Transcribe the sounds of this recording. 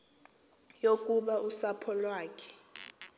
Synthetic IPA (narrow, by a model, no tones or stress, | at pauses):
jok̬ʼuɓausapʰɔlwaːk̬ʰʼɛ̥